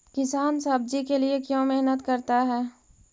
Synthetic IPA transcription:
kɪsaːnsɐb̚d͡ʒikeliekjõːmeɦnət̪kɐɾt̪aɦɛː

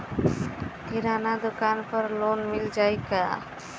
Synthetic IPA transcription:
kiɾanad̪okanpɔɾlonmild͡ʒajka

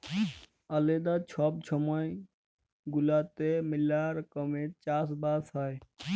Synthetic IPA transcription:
əled̪at͡ʃʰɔb̚t͡ʃʰɔməj | ɡulat̪emilaɾkəmẽt͡ʃasbasɦaj

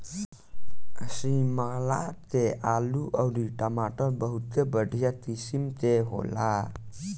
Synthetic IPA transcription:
asimaalatealuʔawditamatobaɦut̪əbadijat̪isimteɦo̰la

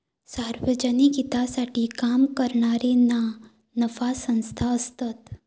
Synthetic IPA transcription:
saɾʋəd͡ʒəniɡit̪asaʈʰikamkəɾɳaɾena | nəfasə̃nst̪ʰaəst̪ət̪

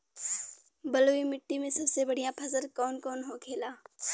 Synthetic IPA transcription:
bəloːimɪʈːimẽsɐbsebɐɽ̤ijãpʰɐzəɾkɔːnkɔːnɦokʰeːlaː

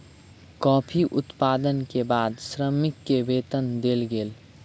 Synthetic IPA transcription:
kɔːpʰiʔʊt̪paːd̪ənkebaːd̪sɾəmɪkːebeːt̪ənd̪elɡeːl

